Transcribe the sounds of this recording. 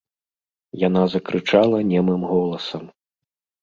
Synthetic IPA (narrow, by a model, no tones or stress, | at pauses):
janazɐkɾɨt͡ʂalˠɐnʲɛmɨmɣɔlˠɐsɐm